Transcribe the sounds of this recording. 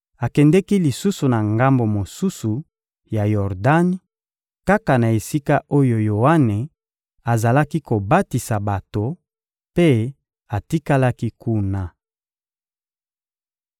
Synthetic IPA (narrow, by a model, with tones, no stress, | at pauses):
a˨kɛ˨ndɛ˦ki˦li˨su˦su˨na˨ŋɡa˦mbo˨mo˨su˦su˨ | ja˨jɔ˨ʁda˦n˦ | ka˦ka˨na˨e˨si˦ka˦o˦jo˨jo˨wa˦ne˨ | a˨za˨la˦ki˦ko˨ba˦ti˨sa˨ba˨to˨ | pe˦ | a˨ti˦ka˦la˦ki˦ku˦na˨